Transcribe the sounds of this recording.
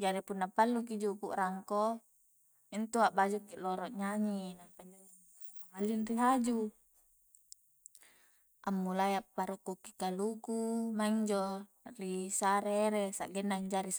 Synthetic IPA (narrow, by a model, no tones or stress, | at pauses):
d͡ʒaɾipunːapalːukid͡ʒupuʔraŋko | int̪uaʔbad͡ʒukːiloɾɔʔɲaɲinampaɲd͡ʒo | amalːinriɦad͡ʒu | ʔamːulajapːaɾukːukːikalukumaiŋd͡ʒo | risaɾeɾesa̰ʔɡɛnːaɲd͡ʒaɾis